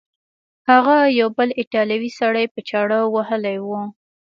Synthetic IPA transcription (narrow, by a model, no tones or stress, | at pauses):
haɣajawbəlɪʈɑljawisaɽajpət͡ʃɑɽawwahəlajwu